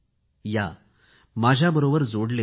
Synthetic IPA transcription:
jaː | maːd͡ʒʱaːbɐɾoːʋɐɾd͡zoːɖle

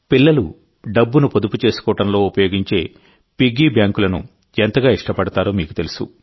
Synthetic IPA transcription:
pilːɐlṵ | ɖɐbːunupod̪uput͡ʃe̞ːsu̥kɔːɐʈɐmlo̞ːupɐjo̞ːɡiɲt͡ʃe̞ː | piɡːiːbjaːŋkulɐnṵ | ent̪ɐɡaːiʂʈɐpɐɽut̪aːɾoːmiːku̥t̪e̞lusṵ

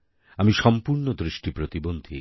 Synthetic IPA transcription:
amiʃɔmpuɾnod̪ɾiʃʈipɾot̪ibond̪ʱi

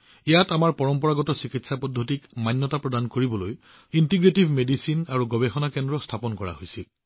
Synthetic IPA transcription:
ijatamaɹpɔɹɔmpɔɹaɡɔtɔsikitsapɔdʱːotikmanːɔtapɹɔdankoɹibɔloj | intiɡɹetibʱmedisinaɹuɡɔbexɔnakɛndɹɔstʰapɔnkɔɹa̰ɦojsil

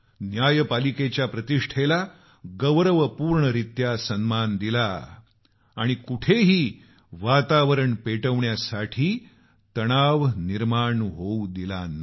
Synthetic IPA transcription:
njajpaliket͡ɕjapɾət̪iʂʈʰela | ɡəʋɾəʋəpuːɾɳəɾit̪jasənmand̪ilaː | ɽ̃ikuʈʰeɦiː | ʋat̪aʋəɾəɳpeʈəʋɳjasaʈʰiː | t̪əɽ̃aʋniɾmaɳɦoud̪ila̰nːa

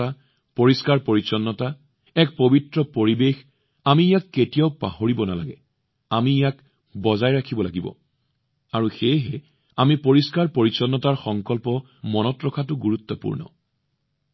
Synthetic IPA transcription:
a | poɹiskaɹpoɹisɔnːɔta | ɛk̚pobitɹɔpoɹibex | amiːjakːetijaʊpa̰ɦoɹibɔnala̰ɡɛ̰ | amiːjak | bɔzajɹakʰibɔlaɡibɔ̰ | aɹuxejɦɛ | amipoɹiskaɹpoɹisɔnːɔtaɹxɔŋkɔlpɔ | mɔnɔtɹɔkʰatʊɡuɹut̪ːɔpṵɹnɔ̰

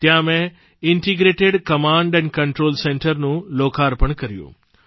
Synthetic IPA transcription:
t̪jãmẽ | ɪɳʈiɡɾeːʈeɖkɐmãːɳɖɛ̃ːnɪkɐɳʈɾoːlsẽːɳʈəɾnũloːkaːɾpɐɽ̃kɐɾijṵ̃ː

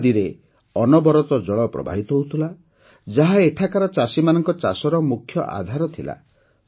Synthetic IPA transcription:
d̪iɾe | ɔnɔbɔɾɔt̪ɔd͡ʒɔɭɔpɾɔ̰bʱa̰ɦit̪ɔɦout̪ʰula | d͡ʒaɦaeʈʰakaɾɔt͡ʃasimanɔŋkɔt͡ʃasɔɾɔmukʰjɔ̰ʔa̰d̪ʱaɾɔt̪ʰila̰

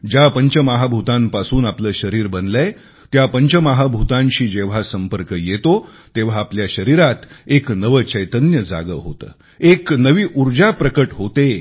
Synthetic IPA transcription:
d͡ʑapəɲt͡ɕəmaɦabʱut̪ãmpasuːnapləːɕəɾiːɾbənlaj | t̪japəɲt͡ɕəmaɦabʱut̪ãɲɕiːd͡ʑeʋ̤asəmpəɾkəjet̪o | t̪eʋ̤aːpljaɕəɾiɾat̪eknəʋət͡ɕəjt̪ənjəd͡za̰ɡə̰ɦo̰t̪ə̰ː | eknəʋiːʔuɾd͡ʑapɾəkəʈɦot̪e

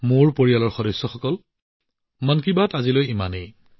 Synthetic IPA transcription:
moɹpoɹijalɔɹxɔdɔjsːɔxɔkɔl | mankibatazilojimanej

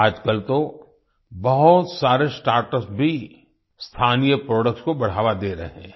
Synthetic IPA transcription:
aːd͡ʒkəlt̪o | bɐɦʊt̪saːɾesʈaːɾʈəsbʱi | st̪ʰaːnijəpɾɔːɖək̚skobɐɽ̤aːʋad̪eːɾɐ̰ɦeɛ̃

